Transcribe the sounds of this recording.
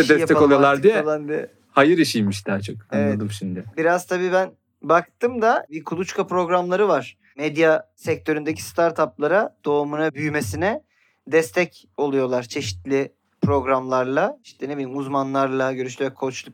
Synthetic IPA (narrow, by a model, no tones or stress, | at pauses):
ɛd̪ɛsjap̪ɛakoujolˠaɾd̪ijɛalˠanbiɛ | hajɯɾiʃijmiʃd̪aːt͡ʃʰokanelvɛad̪ɯmʃimd̪ɪbiɾaz̥t̪ʰabiːbæn | bak̚t̪ɯmd̪abikʰulˠut͡ʃkʰapɾo̞ɡɾamlˠaɾɯvaɾ̥ | mɛd̪jasɛc̚t̪ʰø̞ɾynd̪e̞cʰi̥st̪ʰaɾt̪ʰaplˠaɾad̪̥o̞ːmunabyjme̞sinɛ | d̪ɛst̪ʰɛc | o̞lˠujo̞lˠaɾt͡ʃʰe̞ʃi̥t̪lʲi | pɾo̞ɡɾamlˠaɾlˠaʃi̥nt̪ɛnebilʲimuzmanlˠaɾlˠaɟøɾyʃ̬t̪ʲyɛkʰot͡ʃlˠuk